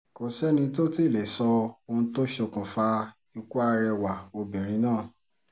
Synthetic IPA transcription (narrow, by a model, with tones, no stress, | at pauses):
ko˨sɛ˦nĩ˧to˦ti˦˨le˨sɔ˧o˧ñ̩˧˦to˦ʃe˧˨kũ˨fa˧ | ĩ˧ku˦a˧ɾɛ˧wa˨o˧bĩ˨ɾ̃ĩ˧˦nãː˦˨